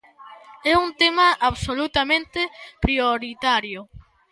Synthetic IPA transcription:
ɛunt̪emɐʔaβsolut̪amẽnt̪epɾioɾit̪aɾjʊ

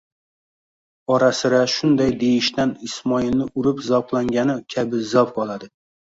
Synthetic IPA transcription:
ɒɾasɪɾaʃʊnd̪ajd̪ejɪʃt̪anɪsmɒɪlˠnɪʊɾɪpzɒplˠaŋɡʲanɪkʲʰabɪzɒpqʰɒlˠad̪ɪ

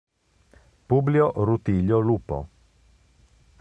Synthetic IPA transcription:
publioʔrut̪iʎːolupo̰

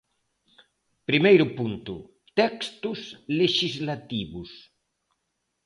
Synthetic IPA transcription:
pɾimejɾʊpunt̪ʊ | t̪ɛkst̪ʊsleʃizlat̪iβʊs

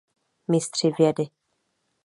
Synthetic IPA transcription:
mɪst̪r̥ivjɛdɪ

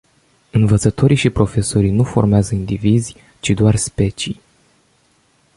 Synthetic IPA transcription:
ɨnvət̪sət̪ʰo̞ɾiʃipɾo̞fe̞so̞ɾijnufo̞̰rmeazəind̪ivizʲ | t͡ʃid̪oarspe̞t͡ʃij

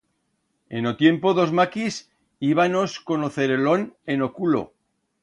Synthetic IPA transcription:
ḛnot̪je̞mpoðo̞zmakis | iβ̞ano̞sko̞noθeɾelo̞nenokulo̰

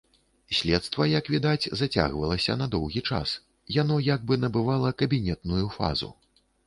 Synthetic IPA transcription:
sʲlʲɛt̪st̪vɐjɐkvʲid̪ad͡zʲzat͡sʲa̰ɣvɐlˠɐsʲɐ̰nɐd̪ɔwɣʲit͡ʂa̰s | janɔjaɡ̚bɨnɐbɨvalˠɐkɐbʲinʲɛt̪nujufa̰zṵ

